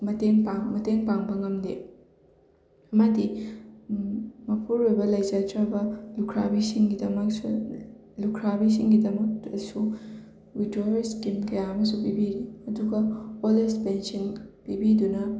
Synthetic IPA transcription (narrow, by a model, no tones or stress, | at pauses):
mɐteŋpaŋmɐteŋpaŋbɐŋɐmde | ɐmɐdi | mɐpʰuɾojbɐlɐjzatɾabɐlukʰɾa̰bisiŋɡidɐmɐksulukʰɾabis̬iŋɡidɐmɐkdɐsu | widojɾskimkɐjaɐmɐsupibiɾiɐduɡɐolespensɐnpibidunɐ